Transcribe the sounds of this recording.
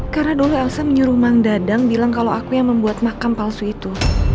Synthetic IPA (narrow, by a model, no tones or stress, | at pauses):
karənaduluɛlsaməɲuɾumaŋdadaŋbilaŋkalawakujaŋməmbuat̪̚makampalsuit̪u